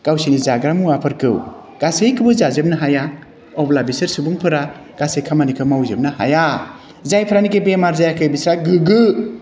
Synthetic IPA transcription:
ɡ̥awsinizaɡɾamuapʰɯɾkʰɯw | ɡ̥asejkʰɯbɯzazep̚nɐɦaja | ɔplabisɯɾsubuŋpʰɯɾa | ɡ̥asejkʰamanikʰɯmawzep̚naha̰ja | zajpʰɯɾanikebemaɾzajakʰɯjbisɾaɡɯɡɯ

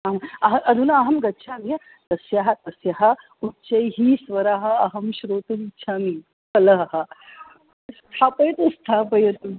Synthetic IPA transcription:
ɐɐmɐɦɐʔɐd̪ʱunɐːɦɐmɡɐtːʃʰaːmiɐ | t̪ɐsjaɦɐt̪ɐsjaɦɐ | utːt͡ʃɐjɦiːsʋɐɾaːɦɐ̆ɐɦɐmɕɾoːt̪ɐʋitːʰaːmi | kɐlɐɦɐɦɐ | st̪ʰaːpɐjɐt̪ust̪ʰaːpɐjɐt̪u

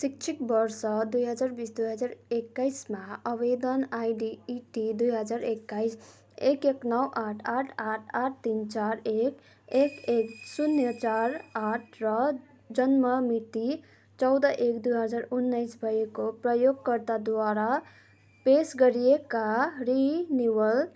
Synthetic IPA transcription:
sik̚t͡ʃʰikbʌɾsʌd̪ujɦʌd͡ʒaɾbisd̪ujɦəd͡ʒaɾekːaɪsmaəβed̪ənajɖiːʈid̪ujɦʌd͡ʒaɾekːaɪs | ekeknʌwʔaʈʰaʈʰaʈʰaʈ̚ʰt̪int͡ʃaɾek | ekeksunjət͡ʃaɾaʈʰɾʌ | d͡ʒʌnmʌmiʈ̪i | t͡ʃʌwd̪əʔekd̪ujɦʌd͡ʒaɾunːajsbʱʌjekopɾəjoɡ̚kʌɾt̪ad̪waɾa | pesɡʌɾijekaɾiniwəl

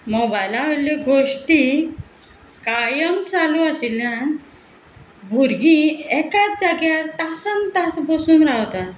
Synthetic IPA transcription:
mɔbajlaaleɡoɕʈi | kajəmt͡saluaɕiljãn | bʱuɾɡĩɛkat͡s̚d͡zaɡjat̪asənt̪asbəsuːnɾawt̪a

